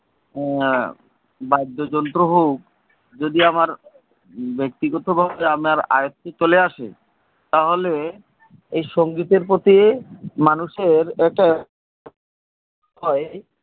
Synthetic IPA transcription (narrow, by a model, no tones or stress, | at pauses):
bajd̪ʱːod͡ʑɔnt̪ɾoɦowk̚ | d͡ʑod̪iamaɾ | bek̚t̪iɡot̪obʱabeamaɾa̰jot̪ːet͡ɕoleaʃḛ | t̪aɦole | ejʃoŋɡit̪eɾpot̪iemanuʃeɾɛk̚ʈa | ɔe